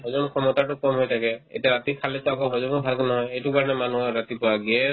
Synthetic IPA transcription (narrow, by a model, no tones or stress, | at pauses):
bɔzɔnkʰɔmɔtatʊkɔmɦojtʰakɛḛjtiaɹatikʰalɛsakɔbɔzɔnubʱalkɔnɔɦɔjejtukaɹɔnɛmanuɔɹat̪ipɔwaɡɛ